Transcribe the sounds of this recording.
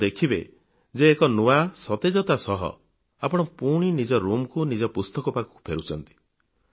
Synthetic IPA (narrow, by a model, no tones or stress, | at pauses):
d̪ekʰibḛ | d͡ʒeːkɔnuasɔt̪ed͡ʒɔt̪asɔɦɔ̰ | apɔɽ̃ɔpuɽ̃inid͡ʒɔɾumɔkunid͡ʒɔpust̪ɔkɔpakɔ̥ku̥pʰeɾut͡ʃʰɔnt̪i̥